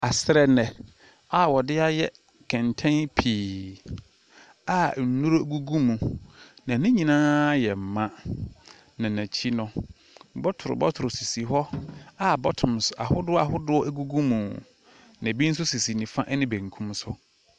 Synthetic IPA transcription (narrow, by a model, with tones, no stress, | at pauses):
a˨sɪ˦ɾɛ˦nɛ̃˨ | a˨wɔ˨dɪ˦a˦jɛ˦ | kʰɛ̃˨ntʰɛ̃˦npʰiː˨ | a˨n̩˨˦nũ˦ɾɡu˦ɡu˦mũ˨nã˨nɪ̃˦ɲĩ˨nãː˦jɛ˨m̩˨mã˦ | nã˨næ̃˨t͡ɕʰi˦nʊ̃˦ | bɔ˦tʰʊ˨ɾʊ̰˨bɔ˦tʰʊ˨ɾʊ˨si˨si˨ɦɔ˦a˦˨bɔ˦tʰʊ̃˨m˨sʊ˦a̰˨hʊ˦dʊ˦a˨ɦʊ˦dʊ˦ɔ˦æ˦ɡu˦ɡũ˦mũ˨ | nã˨bi˦n̩˦s̬ʊ˦si˨si˨nĩ˨fã˦ʔnɪ̃˦bæ̃˨ŋ˨kʰũ˦msʊ˦